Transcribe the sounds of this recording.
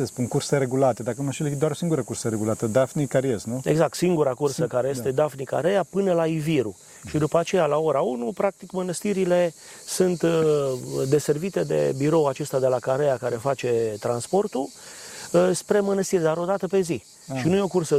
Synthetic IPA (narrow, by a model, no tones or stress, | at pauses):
sespunkurseɾeɡulat̪ed̪akəmaʃild̪oaɾosiŋɡuɾəkuɾsəɾeɡulat̪əd̪afnikaɾjest̪nue̞ɡzak̚t̪siŋɡuɾakursəkaɾe̞je̞st̪e̞d̪afnika̰ɾejapɨnəlaiviɾu | ʃid̪upat͡ʃe̞jalao̞ɾaunupɾak̚t̪ikmənəst̪iɾile̞ | sunt̪ | d̪e̞se̞rvit̪e̞d̪e̞̰biɾo̞wat͡ʃe̞st̪ad̪e̞lakaɾejakaɾe̞fat͡ʃe̞t̪ɾanspo̞rt̪u | spɾe̞mənəst̪irʲd̪aɾo̞d̪at̪əpe̞zi | ʃinuje̞okursə